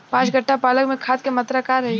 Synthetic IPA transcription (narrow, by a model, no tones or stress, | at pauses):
pãːʃɡəʈːapaːləkmẽkʰaːt̪̚kemɐt̪ɾakaːɾɐɦe